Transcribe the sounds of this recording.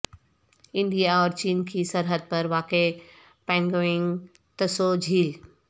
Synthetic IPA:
ɪ̃ɳɖijaɔːɾt͡ɕiːnkʰisɐɾɦəd̪̚pɐɾʋaːke | pɛ̃ːŋɡoɪ̃ŋɡ | t̪ɐsod͡ʑʱiːl

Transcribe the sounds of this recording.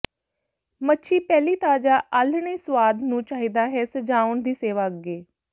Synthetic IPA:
mətːʃʰiːpɛːliːt̪aːd͡ʒaːʔəlɳeːswaːd̪nũːt͡ʃaːɦiːd̪aːɦɛːsəd͡ʒaːʊɳd̪iːseːʋaːəɡeː

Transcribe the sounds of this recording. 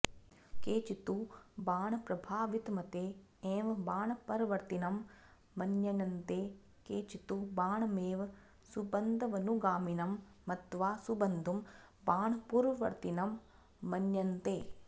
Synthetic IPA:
keːt͡ʃit̪ubaːɳɐpɾɐbʱaːʋit̪mɐt̪eː | eːʋɐbaːɳɐpɐɾʋɐɾt̪inɐmː | ɐnjɐnɐnt̪eː | keːt͡ʃit̪ubaːɳɐmeːʋɐ | subɐnd̪ʱɐʋɐnuɡaːminɐmː | ɐt̪ʋaːsubɐnd̪ʱumbaːɳɐpuːɾʋɐʋɐ̰ɾt̪inɐmː | ɐnjɐnt̪eː

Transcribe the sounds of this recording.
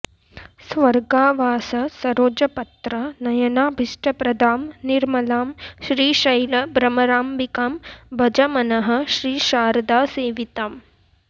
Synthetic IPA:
sʋɐɾɡaːʋaːsɐsɐɾoːd͡ʒɐpɐt̪ɾɐnɐjɐnaːbʱiʂʈɐpɾɐd̪ʱaːmniɾmɐlaːmʃɾiːʃɐjlɐbɾɐmɐɾaːmbikaːmbɐd͡ʒɐmɐnɐɦɐ̆ʃɾiːʃaːɾd̪aːseːʋit̪aːm

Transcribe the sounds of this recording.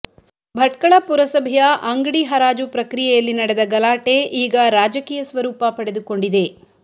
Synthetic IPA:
bʱɐʈkɐɭɐpuɾɐsɐbʱjɐʔɐŋɡɽiɦɐɾaːd͡ʒupɾɐkɾijɛjɐlːinɐɽed̪ɐɡɐlaːʈe̞ʔiːɡɐɾaːd͡ʒɐkiːjɐsʋɐɾuːpɐpɐɽe̞d̪uko̞ɳɖid̪e̞

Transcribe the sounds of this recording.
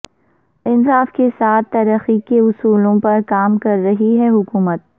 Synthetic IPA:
ɪnsaːfkesaːt̪ːɐɾəxikeʊsuːlõpɐɾkaːmkɐɾːɐɦiɦɛɦʊkuːmət̪̚

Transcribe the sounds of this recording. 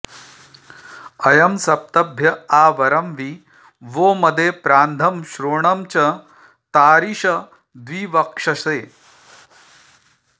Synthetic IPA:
ɐjɐmsɐp̚t̪ɐbʱjɐaːʋɐɾɐmʋi | ʋoːmɐd̪eːpɾaːnd̪ʱɐmʃɾoːɳɐmt͡ʃɐ | t̪aːɾiʃɐ | d̪ʋiːʋɐkʂɐseː

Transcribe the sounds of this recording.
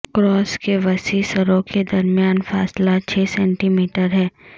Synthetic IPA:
kɾɔːskeʋɐsisəɾõked̪ɐɾmijaːnfaːslat͡ʃʰɛːsɛ̃ːɳʈiːmiːʈəɾɦɛː

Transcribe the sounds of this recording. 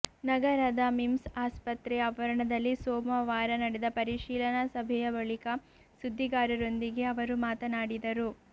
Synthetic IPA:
nɐɡɐɾɐd̪ɐmimsaːspɐt̪ɾɛɐʋɐɾɐɳɐd̪ɐlːisoːmɐʋaːɾɐnɐɽɛd̪ɐpɐɾiʃiːlɐnɐsɐbʱɛjɐbɐɭikɐ | sud̪ʱːiɡaːɾɐɾo̞nd̪iɡe̞ɐʋɐɾumaːt̪ɐnaːɽid̪ɐɾu

